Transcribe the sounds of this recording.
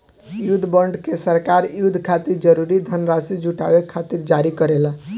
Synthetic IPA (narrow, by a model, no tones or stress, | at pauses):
jud̪ʱbəɳɖkesəɾkaɾjud̪ʱkʰat̪iɾd͡ʒəɾuɾid̪ʱənɾasid͡ʒuʈa̰bekʰːat̪iɾd͡ʒaɾikəɾela